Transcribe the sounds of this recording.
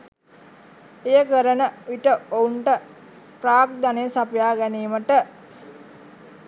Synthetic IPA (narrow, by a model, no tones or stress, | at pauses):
ejəkəɾənəʋiʈəouɳʈə | praːk̚d̪anesapjaːɡæniːməʈə